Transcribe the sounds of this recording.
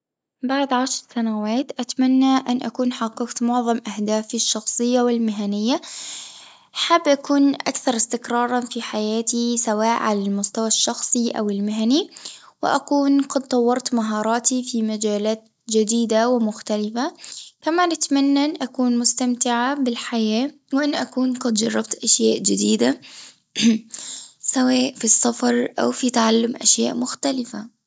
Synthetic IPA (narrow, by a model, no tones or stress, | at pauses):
baʕd̪ʕaʃɾˤsanawaːt̪ʔat̪manːaʔanʔa̰kuːnħɑqːɑɡt̪mʊʕðˤɑmʔahd̪aːfɪʃːɑxsˤɨjːawɪlmɪɦanɪjːa | ħabːʔakuːnʔa̰kθɑɾˤɪst̪ɪkɾˤɑːɾˤɑfiħajaːt̪isawaːʔʕalalmʊst̪awaʃːɑxsˤiʔa̰wɪlmɪɦani | wɪ̰ʔakuːnqɑd̪̚t̪ˤːɑwːɑɾˤt̪maɦɑːɾˤɑːt̪ifiːmad͡ʒaːlaːt̪ | d͡ʒɪd̪iːd̪awɪmʊxt̪alɪfakamaːnɪt̪manːanʔakuːnmʊst̪amt̪ɪʕabɪlħajaː | wɪʔɪnʔakuːnqɑd̪d͡ʒɑrˤːɑb̚t̪ʔaʃjaːʔd͡ʒɪd̪iːd̪a | sawaːʔfisːɑfɑɾˤʔa̰wfit̪aʕalːʊmʔa̰ʃja̰ːʔmʊxt̪alɪfa